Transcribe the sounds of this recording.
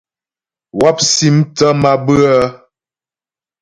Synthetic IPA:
wa˦p̚si˦mtə˦ma˦bɨ˦a˦

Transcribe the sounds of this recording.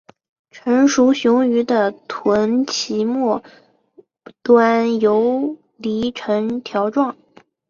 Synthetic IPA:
ʈ͡ʂʰɤ˧˥ŋʂu˧˥ɕjʊ˧˥ŋy˧˥d̪ə˧t̪ʰwə˧˥nt͡ɕʰi˧˥mwɔ˥˩ | t̪wa˥njo˧˥ʊ | li˧˥ʈ͡ʂʰɤ˧˥ŋt̪ʰjɑ˧˥ʊʈ͡ʂwɑ˥˩ŋ

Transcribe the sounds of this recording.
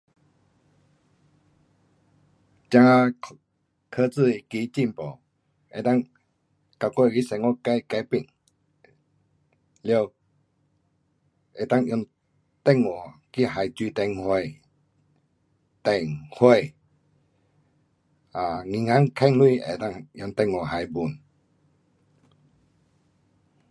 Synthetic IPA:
t͡ɕa˧ŋa˧ | kʰə˧t͡sɨ˥˧˨i˧ki˧˦t͡ɕi˥˨mpɔ˨ | e˨t̪a˥˨ŋ | ka˧kwe˥˧˨ki˧˦sŋɔ˧˦ka˧˦jka˧jpi˧˨ŋ | ljo˧ | e˨˩t̪a˥˧˨ŋjɔ˧ŋ | t̪ɛ˥˧˨ŋŋɔ˨ki˦ha˨jt͡ɕwi˧t̪ɛ˧ŋhwe˧˨ | t̪ɛ˧˩ŋhwe˧ | a˨˩ŋĩ˧˨ŋa˦ŋkʰa˧ŋlwi˥˧˨ḛ˨t̪a˥˨ŋjɔ˧ŋt̪ɛ˥˧˨ŋɔ˨˩ɦa˨jbu˨n

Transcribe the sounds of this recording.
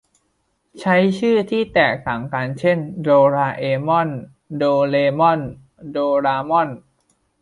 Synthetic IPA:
t͡ɕʰa˦˥jt͡ɕʰɯː˥˩t̪ʰiː˥˩t̪ɛː˨˩k̚t̪a˨˩ŋkaː˧nt͡ɕʰe˥˩ndoː˧ɾaː˧ʔeː˧mɔ˥˩n | doː˧leː˧mɔ˥˩n | doː˧ɾaː˧mɔ˥˩n

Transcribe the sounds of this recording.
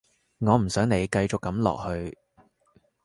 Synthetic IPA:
ŋɔː˨˧m̩˨˩sœː˨˥ŋne˨˧jkɐ˧jt͡ʃʊ˨kːɐ˨˥mlɔ̰ː˨k̚hɵ˧ɥ

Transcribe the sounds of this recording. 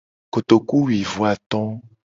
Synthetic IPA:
ko˨t̪o˨ku˦wi˨vu˨˦a˨t̪ɔ̃˦

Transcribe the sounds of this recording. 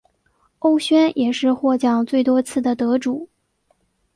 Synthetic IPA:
o˥ʊɕɥɛ˥njʔɛ˨˩ʂɻ̩˥˧xwɔ˥˧t͡ɕjɑ˥˩ŋt͡swe˥˩ɪt̪wɔ˥t͡sʰɹ̩˥˩d̪ə˩t̪ɤ˧˥ʈ͡ʂu˨˩˦

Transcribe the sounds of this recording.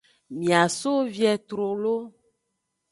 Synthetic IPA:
mĩ˨a˨so˦vi˦ɛ˨t̪ɾo˨lo˦

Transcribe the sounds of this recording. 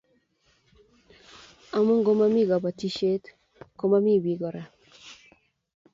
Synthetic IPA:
a˨mu˦ŋɡo˦ma˦mi˦ɡɔ˨ba˨ti˦ʃe˦t | ko˦ma˦mi˦˨bi˨ɡɔ˨ɾa˨

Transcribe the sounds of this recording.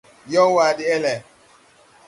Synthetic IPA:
jɔ˦wa˨dɪ˦ɛ˦lɛ˨

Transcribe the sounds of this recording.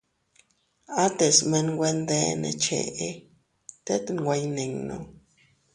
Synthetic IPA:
a˦t̪e˨sme˧nɡʷwʷe˧nd̪e˦nḛ˨t͡ʃḛ˨e˦ | t̪e˦t̪ŋɡʷwʷe˧jne˨ŋno̰˨

